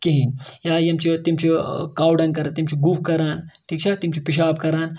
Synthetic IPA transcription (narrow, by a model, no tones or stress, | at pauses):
kiɦĩnjaːjɐmt͡ʃʰit̪imt͡ʃʰikaːwɖɐnkɐɾat̪imt͡ʃʰiɡuːkkɐɾaːnʈʰiːkt͡ʃʰat̪imt͡ʃʰipiʃ̬aːbkɐɾaːn